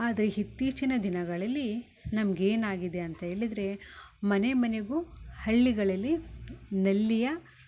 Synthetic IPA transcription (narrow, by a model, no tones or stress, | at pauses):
aːd̪ɐɾeɦit̪ːiːt͡ʃinɐd̪inɐɡɐɭɐlːi | nɐmɐɡe̞ːnaːɡid̪e̞ɐnt̪ɐɦe̞ːɭid̪ɐɾe̞mɐne̞mɐneɡuhɐɭːiɡɐɭɐlːinɐlːijɐ